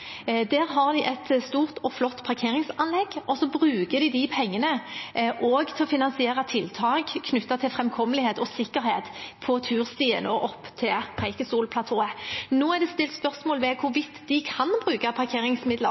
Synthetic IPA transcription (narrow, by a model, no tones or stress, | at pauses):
d̪æːɾɦɑʁd̪ɪʔɛt̪st̪uːʁt̪ɔflɔt̪ːpʰɑʁkʰeːɾɪŋsɑnlɛɡʔɔsɔbʁʉːkəd̪ɪd̪ɪpʰɛŋːənəʔɔɡt̪ʰɛlɔfɪnɑnsɪeːʁɑt̪ʰɪlt̪ʰɑːkkʰnʉt̪ːɑt̪ʰɪlfʁɛmkʰɔməlɪheːt̪ɔsɪkːəɾheːt̪pʰɔt̪ʰʉːʁst̪iːə̰noʔɔpːt̪ʰɪlpʰʁɛɪkəst̪uːlpʰlɑt̪ʰoːənoːæd̪ɛst̪ɪlt̪spœʁsmoːlʋɛkʰʊɾʋɪt̪ːd̪ɪkʰɑnbʁʉːkɑpʰɑʁkʰeːɾɪŋsmɪd̪lə